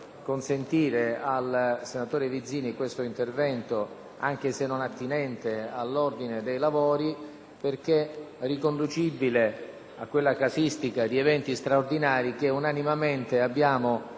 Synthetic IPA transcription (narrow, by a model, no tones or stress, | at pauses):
konsent̪iːɾealsenat̪oːɾevid̪zːiːnikwest̪oint̪ervɛnt̪o | a̰ŋk̟esenːonat̪ːinɛnt̪ealːord̪ined̪ejlavoːɾi | perk̟e | rikond̪ut͡ʃibile | akːwelːakasist̪ikad̪iɛvɛnt̪ist̪ɾaord̪inaːɾik̟eunanimament̪eabːjaːmo